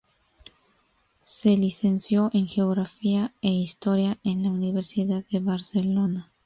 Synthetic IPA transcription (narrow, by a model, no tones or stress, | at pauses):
se̞lise̞nsjo̞ʔe̞ŋxeoɣɾafiae̞ist̪o̞ɾjaʔe̞nlauniβe̞ɾsiðaðːe̞βaɾse̞lo̞na